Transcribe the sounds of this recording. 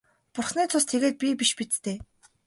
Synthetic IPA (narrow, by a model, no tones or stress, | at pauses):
pʊrχniːt͡sʰʊst̪ʰeɣeːt̪̚pʲipiʃpit͡st̪eː